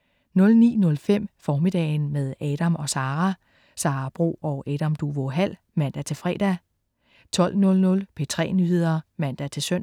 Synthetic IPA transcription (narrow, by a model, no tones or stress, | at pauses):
nɔ̽lnḭːnɔ̽lfem̰fɒːmid̥ɛ̰ːnmeðˠɛːɾ̥æmɒ̽sɑ̈ːʁæ | sɑ̈ːb̥ʁo̝̰ːɒ̽ʔɛːɾ̥æmd̥uʋoɦæl̰ | mæn̰d̥æt͡sʰe̝lfʁɛ̰ːd̥æ | t͡sʰɒ̽l̰nɔ̽lnɔ̽lpʰe̝t͡sʰʁɛ̰ːnyhe̝ð̰ˠɐmæn̰d̥æt͡sʰe̝lsøn̰